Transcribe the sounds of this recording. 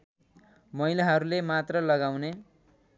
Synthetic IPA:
mʌilaɦʌɾulemat̪rʌlʌɡawne

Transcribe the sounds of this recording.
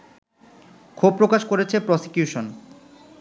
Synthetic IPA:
kʰub̚pːɾokaʃkoɾet͡ɕʰepɾɔsi̥kjuʃon

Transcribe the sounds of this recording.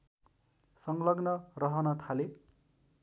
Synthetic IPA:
sʌŋlʌɡnʌrʌɦʌnʌt̪ʰale

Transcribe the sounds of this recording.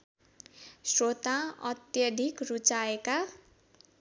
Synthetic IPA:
srot̪aʌ̰t̪jʌd̪ʱikrut͡saeka

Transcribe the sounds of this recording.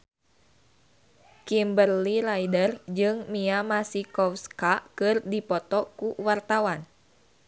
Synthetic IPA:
kimbərlilaidərd͡ʒɨŋmiamasikɔfskakɨrdipɔt̪ɔkuwart̪awan

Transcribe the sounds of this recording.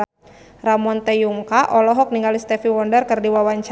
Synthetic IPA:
ramɔnt̪ɛjuŋkaʔɔlɔɦɔk̚niŋɡalist̪ɛfiwɔndərkɨrdiwawaɲt͡ʃ

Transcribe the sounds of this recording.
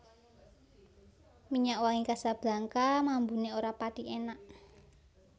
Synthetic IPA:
miɲaʔwaŋikasab̥laŋkamambuneoɾapat̪iʔenaʔ

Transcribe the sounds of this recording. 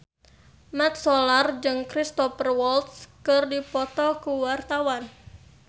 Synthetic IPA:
mat̪̚sɔlard͡ʒɨŋkɾist̪ɔpərwɔlt̪skɨrdipɔt̪ɔkuwart̪awan

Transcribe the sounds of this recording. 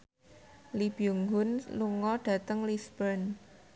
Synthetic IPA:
lib̥iuŋɡʊnluŋɔɖ̥ä̤t̪əŋlisbən

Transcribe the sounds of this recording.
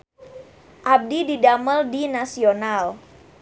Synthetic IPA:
ʔab̚dididaməldinasional

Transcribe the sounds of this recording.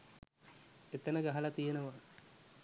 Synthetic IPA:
et̪ənəɡaɦalat̪ijenəʋa

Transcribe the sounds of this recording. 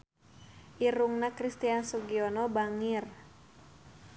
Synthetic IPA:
ʔiɾuŋnakɾist̪iansuɡiɔnɔbaŋir

